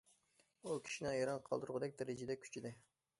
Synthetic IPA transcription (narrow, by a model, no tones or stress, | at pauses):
ukʲʰi̥ʃinɪjɑɾɑnqʰɑlˠd̪uɾʁʊd̪ɛk̚ʲd̪ɛɾɪd͡ʒɪd̪ɛkʲʰy̥t͡ʃʰid̪ɪ